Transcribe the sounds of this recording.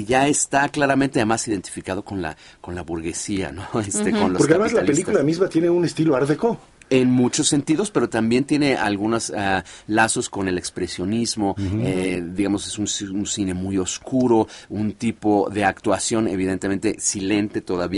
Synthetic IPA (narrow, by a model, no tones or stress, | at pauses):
ʝaest̪aklaɾament̪eaðemasiðe̞nt̪ifikað̞o̞ko̞nla̰ko̞nlaβuɾɣe̞sia̰noest̪ekonlopoɾkeaðemaazlalpelikulamizmat̪jene̞unest̪iloaɾðeko | e̞nmut͡ʃo̞sːent̪iðo̞spe̞ɾo̞t̪ambje̞nt̪je̞ne̞ʔa̰lɣunosalaso̞sko̞ne̞le̞kspɾe̞sjo̞nizmo̞ed̪iɣamo̞se̞sununsine̞mujo̞skuɾo̞unt̪ipo̞ðe̞akt̪wasjo̞ne̞̰βiðe̞nt̪eme̞nt̪e̞sile̞nt̪e̞t̪o̞ðaβi